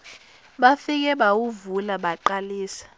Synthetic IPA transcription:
ɓafik̬ɛɓawuvulaɓaǃaliːsḁ

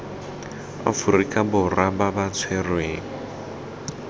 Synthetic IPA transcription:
a̰fuɾikʼabʊrababat͡sʰwɛrwe

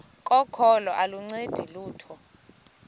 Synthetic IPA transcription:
kʼɔkʰɔlɔʔaluŋ͡ǀed̥ʱiluːtʰɔ

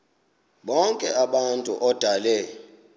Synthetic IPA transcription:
ɓɔŋkʼɛaɓantʼṵʔɔd̥ʱalɛ

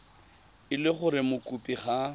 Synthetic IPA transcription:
ɪlɪχʊɾɪmʊkʼupʼiχa

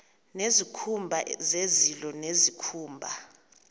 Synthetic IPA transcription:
nezikʰumbʱazezilɔnezikʰuːmbʱa

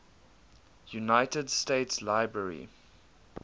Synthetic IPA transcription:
junaɪtədsteɪtslaɪbɹəɹḭ

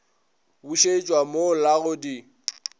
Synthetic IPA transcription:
buʃet͡ʃʼwamolaɣʊdi

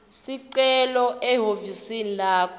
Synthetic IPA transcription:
siǀɛlɔɛɦovisinilaːkʰɔ

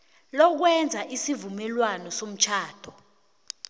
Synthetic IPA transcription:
lɔk̬wɛnd͡zʱaʔisivumɛlwanɔsom̩t͡ʃʰaːd̥ʱɔ

